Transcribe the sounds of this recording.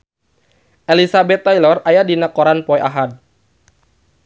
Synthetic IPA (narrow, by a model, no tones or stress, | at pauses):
ʔelisabɛt̪ːailɔrajadinakɔɾanpɔjʔaɦad̚